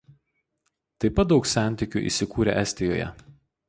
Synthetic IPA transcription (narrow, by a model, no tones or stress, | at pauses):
t̪ɐɪpɐt̪̚d̪ɒʊksʲæˑnʲˑt̪ʲɪkʲṵʔḭːsʲɪkuːɾʲɛ̰ʔɛsʲt̪ʲɪjo̰ːjɛ̰